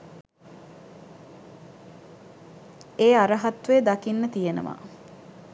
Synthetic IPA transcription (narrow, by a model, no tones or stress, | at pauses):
eːaɾəɦat̪ʋeːd̪akinːət̪ijenə̰ʋa̰